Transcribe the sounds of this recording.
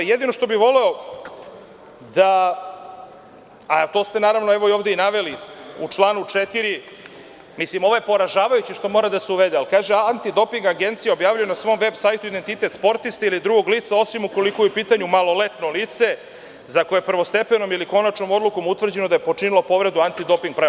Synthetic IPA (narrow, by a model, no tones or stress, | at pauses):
jed̪ino̞ʃt̪o̞biʋo̞le̞o | d̪a | at̪o̞st̪e̞naːɾaʋnoɛʋo̞ioʋd̪einaʋe̞liut͡ʂlˠaːnut͡ʂet̪iɾi | mislimoʋojepo̞ɾaʒaːʋajut͡ɕiʃt̪o̞mo̞ːɾad̪aseuʋed̪ealkaːʒeant̪id̪o̞piŋɡaɡe̞nt̪sijeo̞bjaːʋʲilʎujonasʋo̞ːmʋe̞bsaːjt̪uid̪e̞nt̪it̪e̞t̪spo̞ɾt̪ist̪ailid̪ɾuɡoɡliːt̪sao̞simuko̞likojupiːt̪aɲumalo̞let̪noliːt̪se̞ | zako̞jepr̩ʋo̞st̪e̞pe̞no̞miliko̞nat͡ʃno̞mo̞d̪luko̞mut̪ʋr̩d͡ʑe̞nod̪aje̞po̞t͡ʂinilˠo̞po̞ʋɾe̞d̪uant̪id̪o̞piŋɡ̚pɾa